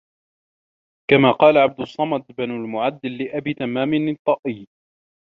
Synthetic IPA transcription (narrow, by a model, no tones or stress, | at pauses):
kamaːqɑːlaʕab̚d̪ʊsˤːɑmɑd̪banʊlmʊʕad̪ːɪlːɪʔabiːt̪amːaːmɪnt̪ˤːɑʔiː